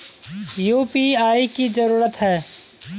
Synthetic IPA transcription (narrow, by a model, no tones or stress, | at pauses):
juːpiaːikizəɾuːɾət̪ɦɛː